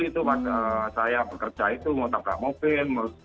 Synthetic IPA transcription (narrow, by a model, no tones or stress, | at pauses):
it̪umat̪əsajabəkərd͡ʒait̪umot̪apa̰ʔmofɪlməɾʊ